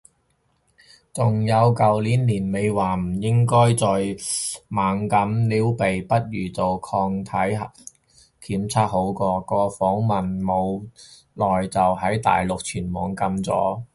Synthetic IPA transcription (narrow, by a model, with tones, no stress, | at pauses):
t͡sʊ˨ŋjɐ˨˧wkɐ˨wliː˨˥nliː˨˩nme˨˧jwaː˨˩m̩˨˩jɪ˥ŋkɔː˥jt͡sɔː˨jmaː˨ŋkɐ˨˥mliː˨˥wpe˨jpɐ˥t̚ɥyː˨˩t͡so˨wkʰɔː˧ŋt̪ʰɐ˨˥j | kʰiː˨˥mt͡sʰaː˥t̚ho˨˥wkɔː˧kɔː˧fɔː˨˥ŋmɐ˨nmo˨˧w | lɔː˨˩jt͡sɐ˨wɦɐ˨˥jt̪a̰ː˨jlʊ˨k̚t͡ʃʰyː˨˩nmɔː˨˧ŋkɐ˧mt͡sɔ̰ː˨˥